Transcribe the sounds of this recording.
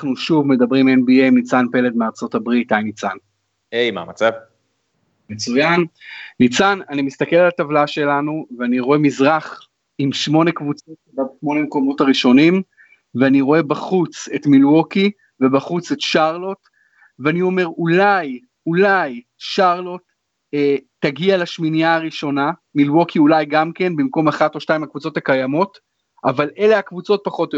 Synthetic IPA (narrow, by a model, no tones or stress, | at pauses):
aχnuʃuvme̞dɐbʁimenbiejmnit͡sanpe̞le̞dmeaʁt͡so̞tabʁitajnit͡san | ejma̰mat͡sav | met͡sujanːit͡sananimist̪ake̞lalat̪avlaʃe̞lanuveaniʁoe̞mizʁaχ | imʃmo̞ne̞kvut͡sotebadʃmo̞nemeko̞mo̞taʁiʃo̞nim | veaniʁo̞e̞baχut͡setmilwo̞ki | ve̞baχut͡se̞tʃaʁlo̞t | veanio̞me̞ʁulaj | ulaj | ʃaʁlo̞t | eː | aɡialaʃminijaːʁiʃo̞namilwokʰiulajɡamke̞nbimko̞maχato̞ʃtaimakvut͡so̞takajamo̞t | ʔavalʔe̞leakvut͡so̞t̚paχo̞t̪